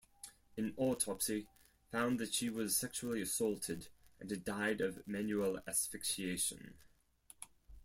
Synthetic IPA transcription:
ɨ̃nɔˑtʰɑpsi | fãʊ̃nðɨtʃiwʌz̥sɛkʃul̩ˠiɨsɔlˠtʰɪdʔə̃nɨdaɪdʌvmæ̃njuəlˠæ̰sfɪkʃieɪʃə̰̃n

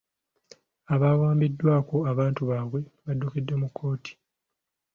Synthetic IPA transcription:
aβaːwaːmbidːwaːko̞aβaːntuβaːβwe̞βadːukedːemukʰːo̞ːti̥

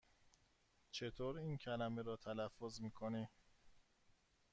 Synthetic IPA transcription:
t͡ʃʰe̞t̪ʰoːɾiːncʰælæmeɾɒːt̪ʰælæfːozmiːkʰoni

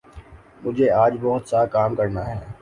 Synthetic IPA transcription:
mʊd͡ʒʱeaːd͡ʒbɔɦʊt̪sakaːmkɐɾnaːɦɛː

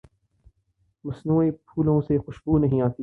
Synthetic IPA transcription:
mɐsnuːepʰuːlõsexʊʃbuːnɐɦĩaːt̪i

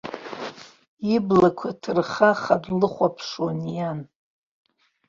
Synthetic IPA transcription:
iblakʷʰatʰɨrχaχadlɨχʷapʰʂwanjan

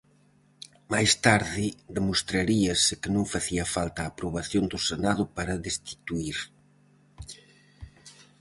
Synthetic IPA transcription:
majst̪aɾðɪðemost̪ɾaɾiɐsɪkɪnõŋfaθiɐfalt̪aːpɾoβ̞aθjond̪ʊsenaðʊpaɾɐðest̪i̥t̪uiɾ

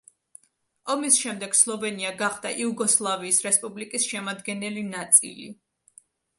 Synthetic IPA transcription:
ɔmisʃɛmd̪ɛɡ̥slˠɔvɛniaɡaχd̪̥aʔiuɡɔslˠaviːsɾɛspʼublikʼisʃɛmad̪ɡɛnɛlinat̪sʼḭlḭ

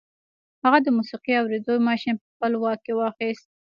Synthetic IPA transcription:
haɣad̪əmusiqiawɾed̪ojmɑʃɪnpəxpəlwɑk̚kːewɑxist̪̚

